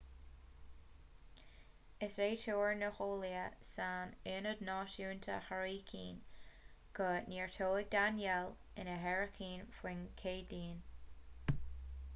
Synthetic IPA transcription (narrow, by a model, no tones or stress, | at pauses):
ɪseːtʰoːɹnəxoːliəsaːnɪnəd̪nɑːʃuːnt̪ʰə̰haɹiːkʰḭːn | ɡ̥əniːɹt̪ʰoːɪɡ̚d̪anjɛl | ɪnəɦɛɹəkʰiːnfwɪnkʰeːdiːn